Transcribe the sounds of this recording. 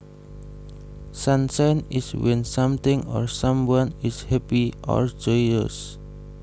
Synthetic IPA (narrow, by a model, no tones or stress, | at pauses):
sansajniswɛ̃nsamt̪ɪ̃ŋɔ̰rsãmwanishɛpiʔɔ̰ɹd͡ʒɔjəs